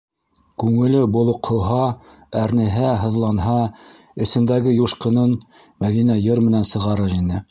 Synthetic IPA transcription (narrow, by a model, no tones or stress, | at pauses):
kʉŋɘ̆lɘbŏlˠŏqhŏɦɑ | æɾnɘ̆ɦæɦɤ̆ðlˠɑnɦɑ | ɘ̆sɘ̆nd̪æɡɘjuʃqɤ̆nɤn | mæðinæjɤɾmɘ̆nænsɤ̆ʁɑɾɤɾinɘ